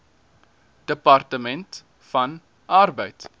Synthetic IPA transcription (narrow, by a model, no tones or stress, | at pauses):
d̥əpɐrtəmɛnt | fɐn | ʔɐrbəjt